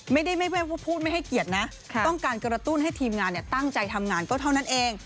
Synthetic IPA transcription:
ma˥˩jda˥˩jma˥˩jwaː˥˩waː˥˩pʰuː˥˩t̪̚ma˥˩jha˥˩jki˨˩ət̪̚na˦˥ʔ | k̪ʰɔ˥˩ŋkaː˧nkɾa˧t̪u˥˩nɦa˥˩jt̪ʰiː˧mŋaː˧nːi˥˩t̪a˥˩ŋt͡ɕa˧jt̪ʰa˧mŋaː˧nkɔː˥˩t̪ʰa˥˩wna˦˥nʔeː˧ŋ

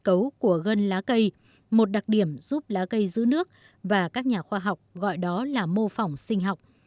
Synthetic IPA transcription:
kə˨˦wku˧˩əɣə˧nlaː˨˦kə˧j | mo˨˩t̚ɗa˨˩k̚ɗi˧˩əmz̥u˦˥p̚laː˨˦kə˧jzɨ̰˧˦˥nɨ˦˥ək̚ | vaː˨˩kaː˦˥k̚ɲaː˨˩xwaː˧ɦa˨˩wk͡p̚ɣɔ̰˧˨jɗɔ˨˦laː˨˩mo˧fa˨˩wŋ͡msï˧ŋ̟ɦa˨˩wk͡p̚

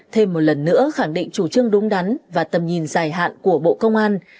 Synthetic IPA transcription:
t̪ʰe˧mːo˨˩t̚lə˨˩nːɨ̰˧˥əxa˧˩ŋɗḭ˧˨ŋ̟t͡ɕu˧˩t͡ɕɨ˧əŋɗʊ˨˦ŋ͡mɗa˨˦nvaː˨˩t̪ə˨˩mɲi˨˩nzaː˨˩jɦa̰ː˧˨nku˧˩əɓo̰˧˨kə˧wŋ͡mʔaː˧n

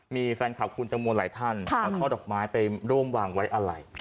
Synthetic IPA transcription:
miː˧fɛː˧nkʰa˨˩p̚kʰu˧nt͡ɕ̪a˧mu˧nlaː˩˦jt̪ʰa˥˩nʰɔ˦˥kʰa˥˩dɔː˨˩k̚maː˦˥jpa˧jɾu˥˩əmwaː˧ŋwa˦˥jʔa˧ɾa˧j

